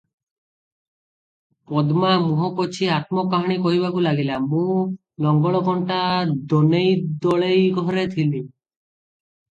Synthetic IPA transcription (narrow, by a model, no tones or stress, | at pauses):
pɔd̪mamũɦɔkɔt͡ʃʰiat̪̚mɔkaɦaɽ̃ikɔɦiβakulaɡilamũ | lɔŋɡɔɭɔkɔɳʈad̪ɔnejd̪ɔɭejɡʱɔɾet̪ʰili